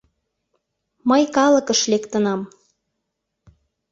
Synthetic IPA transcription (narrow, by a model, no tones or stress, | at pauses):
məjkɑlə̆kəʃlekt̪ə̆nɑm